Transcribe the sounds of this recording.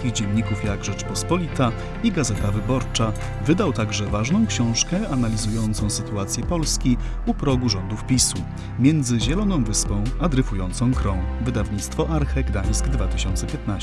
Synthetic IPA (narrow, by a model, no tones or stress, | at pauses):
kʲiɣd͡ʑɛɲːikufjaɡʐɛt͡ʂpɔspɔlʲit̪a | iɡazɛt̪avɘbɔɾt͡ʂa | vɘd̪awt̪aɡʐɛvaʐnɔ̃w̃kɕɔ̃w̃ʂkɛanalʲizujɔnt̪sɔ̃w̃sɘt̪uat̪sʲjɛpɔlskʲi | upɾɔɡuʐɔnd̪ufpʲisu | mʲjɛnd̪zɘʑɛlɔnɔ̃w̃vɘspɔ̃w̃ad̪ɾɘfujɔnt̪sɔ̃w̃kɾɔ̃w̃vɘd̪avɲit̪st̪fɔʔaɾxɛɡd̪aj̃sɡd̪vat̪ɘ̥ɕɔnt̪sɛpʲjɛt̪na